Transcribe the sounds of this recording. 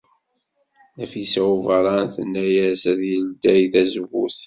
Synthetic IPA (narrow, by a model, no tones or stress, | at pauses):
æfisævəɾˤɑnθənːæjæsðjəld̪æjθæzəwuθ